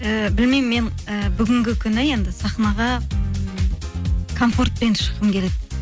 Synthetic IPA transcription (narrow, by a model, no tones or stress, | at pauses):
əbɪlmejmːe̞nəbʏɡʲɪŋɡʲɪkʲʰʏnɪje̞nd̪ɪsɑχnɑʁɑ | kʰo̞mfo̞rt̪̚penʃə̥qəmkʲʰe̞le̞d̪ɪ